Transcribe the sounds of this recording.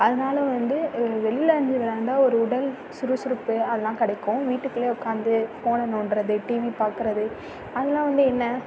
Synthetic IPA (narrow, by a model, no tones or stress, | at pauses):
ɐðɐnaːlɐʋɐnd̪ɯʋɛlɪlɐɾɐɲd͡ʒɯʋɐɾaːɳɖaːɔɾɯʊɽɐl | sʊɾɯsʊɾɯpːɯɐðɐlãːkɪɽɐɪkːʊ̃ʋiːʈːɯkːɯleːɔkːaːnd̪ɯfoːnɐnʊːɳɾɐðɯʈiːʋipaːɾkɪɾɐðɯ | ɐðɐlãːʋɐnd̪ɯɛnːɐ